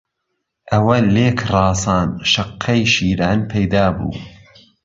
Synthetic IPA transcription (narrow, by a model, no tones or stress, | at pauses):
ʔɐwɐleːkʰrˤɑːsɑːnʃɐqʰːɐjʃiːɾaːnpʰɐjd̪aːbṵː